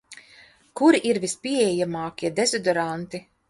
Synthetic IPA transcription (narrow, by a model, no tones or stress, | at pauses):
kuɾiʔiɾvispiɛɛjamaːkʲiɛd̪ezɔd̪ɔɾant̪i